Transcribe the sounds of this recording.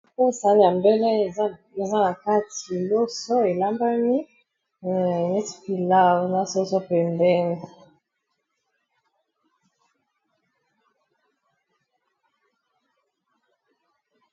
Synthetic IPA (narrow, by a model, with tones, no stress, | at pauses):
e˦˨sa˨˦ni˨ja˨mbɛ˦lɛ˦˨˦ | e˨za˦na˨ka˦ti˨lo˦sɔ˦e˨la˦mba˦ni˦˨ | me˦ti̥˨pi˨la˦wna˨so˦sɔ˦pe˨mbɛ˦nɛ˨